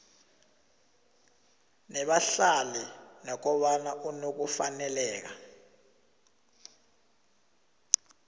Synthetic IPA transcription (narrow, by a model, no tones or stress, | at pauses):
nɛɓaɬalɛnɔk̬ɔɓanaʔunok̬ufanɛlɛːk̬a